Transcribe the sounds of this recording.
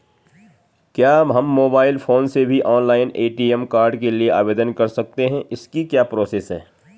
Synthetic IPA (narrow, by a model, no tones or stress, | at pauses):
kjaːɦɐmːoːbaːɪlfʰoːnsebʱiʔɔːnlaːɪneːʈiːɛmkaːɾɖkeliea̰ːʋeːd̪ənkɐɾsɐk̚t̪eɦɛ̃ɪskikjaːpɾoːseːsɦɛ̰ː